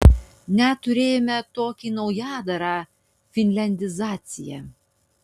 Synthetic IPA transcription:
nʲɛt̪ʊɾʲeːjomʲɛt̪oːkʲiːnɐʊjɑːd̪ɐɾɑ | fʲɪnʲlʲɛnʲd̪ʲɪzɑːt̪sʲɪjɛ̰

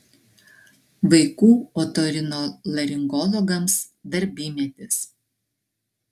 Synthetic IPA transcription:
ʋɐɪkuːoːt̪ɔɾʲɪnoːlˠɐɾʲɪŋɡɔlˠɔɡɐms | d̪ɐɾʲbʲiːmʲɛt̪ʲɪs

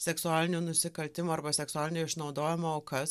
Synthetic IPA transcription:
sʲɛksʊaːlʲɪnʲuːnʊsʲɪkɐlʲt̪ʲɪmoːɐɾbɐsʲɛksʊaːlʲɪnʲuɪʃnɒʊd̪oːjɪmooːkɐs

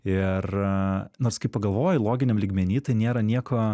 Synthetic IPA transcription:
ɪrnoːrskɐɪp̚ɐɡɐlˠʋoːjɛlˠoːɡʲɪnʲɛmlʲiːɡmʲɛnʲiːt̪ɐɪnʲeːɾɐnʲiɛkoː

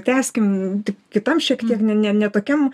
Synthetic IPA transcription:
t̪ʲæːsʲkʲɪmt̪ʲɪkkʲɪt̪ɐmʃʲiɛkt̪ʲiɛknʲɛnʲɛnʲɛt̪oːkʲɛm

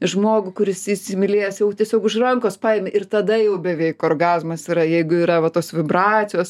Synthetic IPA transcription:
ʒmoːɡʊkʊɾʲɪsɪsʲɪmʲɪlʲeːjɛsjɛʊt̪ʲiɛsʲoːkʊʃrɐŋkoːspɑːjemʲeʔɪrt̪ɐd̪ɐjɛʊbʲɛʋʲɛɪkoːrɡɑːzmɐsiːɾɐjɛɪɡʊiːɾɐʋɐt̪oːsʋʲɪbrɑːt͡sʲɪjoːs

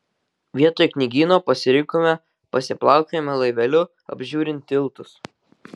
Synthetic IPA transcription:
ʋʲiɛt̪oːjknʲɪɡʲiːnoːpɐsʲɪɾʲɪŋkoːmʲɛ | pɐsʲɪplˠɑˑʊkʲomʲɛlˠɐɪʋʲɛlʲʊ | ɐ̰bʲʒʲuːɾʲɪnʲt̪ʲɪlˠt̪ʊs

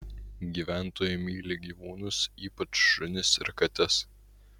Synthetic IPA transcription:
ɡʲiːʋʲæˑnt̪oːjɪmʲiːlʲɪɡʲiːʋuːnʊsiːpɐt͡ʃʃʊnʲɪsɪ̰ɾkɐt̪ʲɛs

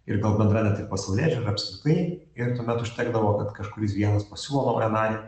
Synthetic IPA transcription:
ɪɾɡɐlˠbʲɛnd̪ɾɑːnʲɛt̪ʲɪpɐsʲɪlʲæːd͡ʒʲoɪɾɐpʲskɾʲɪt̪ɐɪ | ɪɾt̪uɔmʲɛt̪ʊʃʲt̪ʲɛːɡd̪ɐʋoːkɐt̪kɐʃkʊɾʲɪsʋʲiɛnɐspɐsʲuːlˠonɐɛnɑːlʲɪ

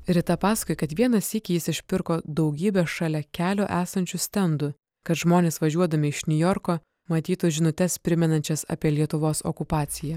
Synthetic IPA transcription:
ɾʲɪt̪ɐpɑːsɐkʊjkɐt̪ʋʲiɛnɐsɪkʲɪjɪsɪʃʲpʲɪɾkoːd̪ɒʊɡʲiːbʲɛʃɑlʲɛkʲæːlʲoːʔæːsɐnʲt͡ʃʲʊsʲt̪ʲɛnd̪ʊ | kɐt̪ʒmoːnʲeːsʋɐʒʲuɔd̪ɐmʲɪɪʃnʲʊjɔɾkoː | mɐt̪ʲiːt̪ʊʒʲɪnʊt̪ʲɛspʲɾʲɪmʲɛnɐnʲt͡ʃʲɛsɐ̰pʲiɛlʲiɛt̪ʊʋoːsɔ̰kʊpɑːt̪sʲɪjɛ

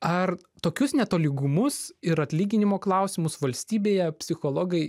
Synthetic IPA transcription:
ɐr | t̪oːkʲʊsnʲɛt̪oːlʲɪɡʊmʊsɪɾɐt̪ʲlʲiːɡʲɪnʲɪmoːklˠɐʊsʲɪmʊsʋɐlʲsʲt̪ʲiːbʲeːjɛpʲsʲɪxoːlˠoːɡɐɪ

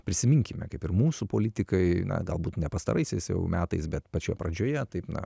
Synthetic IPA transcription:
pʲɾʲɪsʲɪmʲɪŋʲkʲɪmʲɛ̰kɐɪpɪrmuːsupoːlʲɪt̪ʲɪkɐɪnɐ̰ɡɐlˠbuːt̪nʲɛpɐst̪ɐ̰ɾʔɐɪsʲɛɪsjɛ̰ʊmʲæːt̪ɐɪsbʲɛt̪pɐt͡ʃʲoːjɛpɾɐd͡ʒʲoːjɛt̪ɐɪpnɐ̰

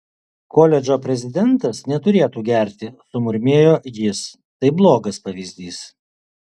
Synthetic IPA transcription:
koːlʲɛd͡ʒʲoːpʲɾʲɛzʲɪd̪ʲɛnt̪ɐsnʲɛt̪ʊɾʲeːt̪uːɡʲɛˑɾʲt̪ʲɪsʊmʊɾʲmʲeːjoːjɪs | t̪ɐɪblˠoːɡɐspɐʋʲiːzʲd̪ʲiːs

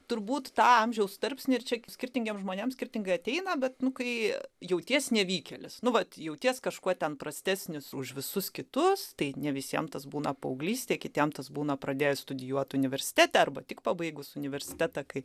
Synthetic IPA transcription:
t̪ʊɾbuːt̪t̪ɑːɐmʲʒʲɛʊst̪ɐrʲpʲsʲnʲɪɪrt͡ʃʲɛsʲkʲɪrʲt̪ʲɪŋʲɡʲɛmʒmoːnʲeːmsʲkʲɪrʲtʲɪŋɡɐɪɐt̪ʲɛɪnɐbʲɛt̪nʊkɐɪjɛʊt̪ʲiɛsnʲɛʋʲiːkʲɛlʲɪsnʊʋɐt̪jɛʊtʲiɛskɐʃkuɔt̪ʲɛnpɾɐsʲt̪ʲæːsʲnʲɪsʊʃʋʲɪsʊskʲɪt̪ʊst̪ɐɪnʲɛʋʲɪsʲiɛmt̪ɐsbuːnɐpɐʊɡlʲiːsʲt̪ʲeɛkʲɪt̪ʲiɛmt̪ɐsbuːnɐpɾɐd̪ʲeːjɛst̪ʊdʲɪjuɔt̪ʲʊnʲɪʋʲɛrʲsʲɪ̥t̪ʲæːt̪ʲɛɐrbɐt̪ʲɪkpɑːbɐɪɡʊsʊnʲɪʋʲɛrʲsʲɪ̥t̪ʲæːt̪ɐkɐɪ

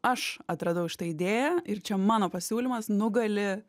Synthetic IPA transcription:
ɐʃɐt̪ɾɐd̪ɐʊʃʲɪt̪ɐːɪd̪ʲeːjɛɪɾt͡ʃʲɛmɑːnoːpɐsʲuːlʲɪmɐsnʊɡɐlʲɪ

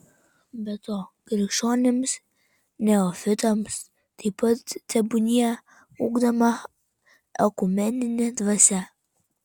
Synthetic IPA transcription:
bʲɛt̪oːɡɾʲɪʃoːnʲɪms | nʲɛofʲɪt̪ɐms | t̪ɐɪpɐt̪t̪ʲɛbʊnʲɪjɛ | ṵːɡd̪ɐmɐ | ɛkʊmʲɛnʲɪnʲɛd̪ʋɐsʲɛ

